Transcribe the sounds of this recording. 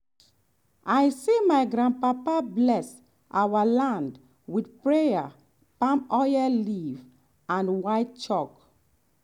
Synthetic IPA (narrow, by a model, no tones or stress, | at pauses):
ajsemajɡɾãndpapablɛs | ʔawalãnd | widpɹeja | pãmɔjɛliv | ãnwajt̚t͡ʃɔk